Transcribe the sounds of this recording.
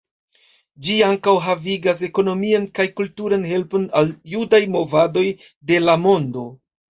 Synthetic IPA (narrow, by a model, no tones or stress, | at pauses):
d͡ʒiaŋkawɦaviɡas̬e̞ko̞no̞miankajkultuɾanɦe̞lpo̞naljudajmo̞vado̞jde̞lamo̞ndo̞